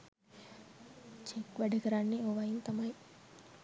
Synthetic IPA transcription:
t͡ʃekʋɐɖɐkɐɾaːnːioʋajunt̪ɐmaj

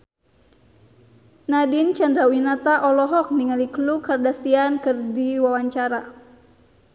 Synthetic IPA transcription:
nadint͡ʃandɾawinat̪aʔɔlɔɦɔk̚niŋaliklukardasiankɨrdiwawaɲt͡ʃaɾa

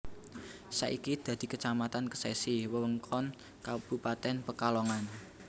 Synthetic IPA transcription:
sa̰ʔikid̪̥ä̤d̪̥i̤kət͡ʃamat̪ankə̥sɛsiwəwəŋkʰɔn | kab̥upat̪ɛnpəkalɔŋan

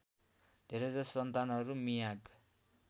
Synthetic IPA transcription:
d̪ʱeɾʌd͡zʌsʌnt̪anʌɾumijaɡ

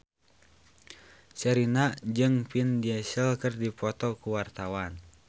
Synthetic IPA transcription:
t͡ʃəɾinad͡ʒɨŋpindiɛsəlkɨrdipɔt̪ɔkuwart̪awan

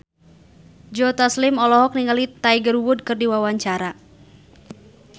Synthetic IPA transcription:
d͡ʒɔt̪ɔslɪmɔlɔɦɔk̚niŋalit̪aiɡəruwʊd̚kɨrdiwawaɲt͡ʃaɾa

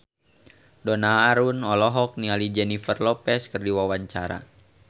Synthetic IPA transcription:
dɔnaːɾunɔlɔɦɔk̚nialid͡ʒɛnifərlɔpɛskɨrdiwawaɲt͡ʃaɾa̰

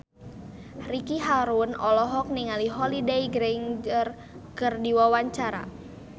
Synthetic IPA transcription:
rikiɦaɾunɔlɔɦɔk̚niŋaliɦɔlidejɡɾɛŋd͡ʒər | kərdiwawaɲt͡ʃaɾa̰

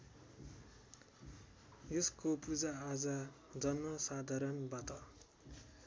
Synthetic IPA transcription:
jeskopud͡zaːd͡zʌ | d͡zʌnmʌsad̪ʱaɾʌnbat̪ʌ

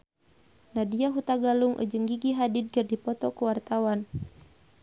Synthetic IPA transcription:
nadiaɦut̪aɡaluŋʔṵd͡ʒɨŋɡiɡiɦadid̪̚kɨrdipɔt̪ɔkuwart̪awan

